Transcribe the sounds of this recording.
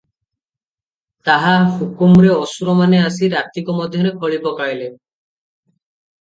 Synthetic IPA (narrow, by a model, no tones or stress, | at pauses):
t̪aɦahukumɾeɔsuɾɔmaneasiɾat̪ːikɔmɔd̪ʱjɔɾekʰɔɭibɔkaɹilen